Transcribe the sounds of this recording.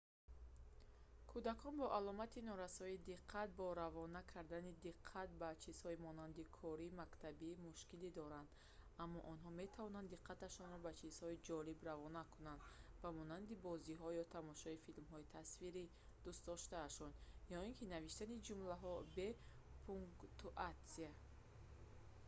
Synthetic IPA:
kʰud̪akʰɔnbɔʔalɔmat̪ʰinɔɾasɔid̪iqʰːat̪̚bɔɾavɔnakʰaɾd̪anid̪iqʰːat̪̚bat͡ʃʰiz̥hɔimɔnand̪ikʰɔɾimakt̪ʰabimuʃkilid̪ɔɾand̪̥ | amːɔʔɔnɦɔme̞t̪ʰavɔnand̪iqʰːat̪aʃɔnɾɔbat͡ʃʰiz̥hɔid͡ʒɔlibravɔnakʰunand̪vamɔnand̪ibɔziɦɔjɔt̪ʰamɔʃɔifilmɦɔit̪ʰasfiɾi | d̪̥ust̪̚d̪ɔʃt̪aːʃɔnjɔiŋkʰinaviʃt̪anid͡ʒumlaɦɔbe | pʰuŋt̪uʔat̪sia

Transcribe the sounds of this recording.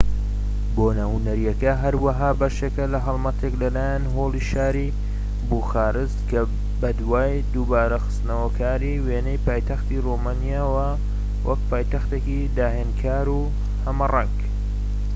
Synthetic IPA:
boːnahunɐɾijɐkɐɦɐɾwaɦaːbɐʃekɐlɐɦɐlˠmɐt̪ʰeklɐlaːjanɦoːliʃaːɾi | buxaːɾɨst̪kɐ | bɐd̪waːj | d̪uːbaːɾɐxɨ̥st̪nɐwɐkʰaːɾiweːnɛjpaːjt̪ɐxt̪iromaːnijaːwɐ | wʔɐk̚paːjt̪ɐxt̪eːkid̪aːɦeːnkʰaːɾu | hɐmɐrɑk

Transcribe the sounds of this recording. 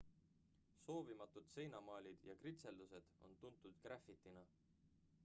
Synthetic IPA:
so̞ːvimɑt̪ːud̪̥se̞jnɑmɑːlʲid̪̥jɑkrit̪se̞ld̪use̞d̪̥o̞̰nt̪unt̪ːˑud̪̥kræfit̪ːˑinɑ

